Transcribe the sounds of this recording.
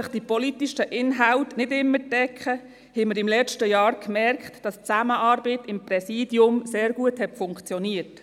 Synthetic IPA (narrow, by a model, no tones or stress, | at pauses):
əχd̥ipɔlitiʃəʔɪnɦawtnɪdɪmːətɛkχə | hɛməɾɪmlɛt͡ʃtəjɑːɾkmɛɾkχtd̥ɑst͡sæməʔɑːɾbətɪmprɛsiːdjʊmseːɾɡuəthɛtfʊŋkt͡sjɔniət